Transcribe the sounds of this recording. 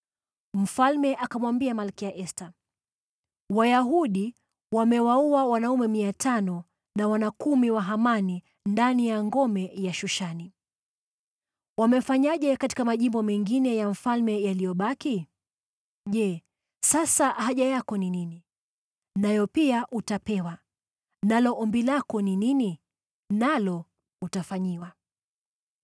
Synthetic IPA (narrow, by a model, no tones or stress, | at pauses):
m̩falmɛʔakamwambiamalkiaʔɛsta | wajaɦuɗi | wamɛwauawanaumɛmiatʰanɔ | nawanakumiwaɦamani | ndanijaŋɡɔmɛjaʃuʃani | wamɛfaɲaʄɛkati̥kamaʄimbɔmɛŋɡinɛjam̩falmɛjalijɔɓaki | ʄɛ | sasaʔaɦaʄajakɔninini | najɔpiaʔutapɛwa | nalɔʔɔmbilakɔninini | nalɔ | utafaɲiwa